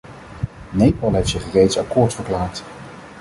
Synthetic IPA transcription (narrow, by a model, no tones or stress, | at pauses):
nejpɑlˠɦejftsɪχrejtsɑkʊːɹtfəɹklaːɹt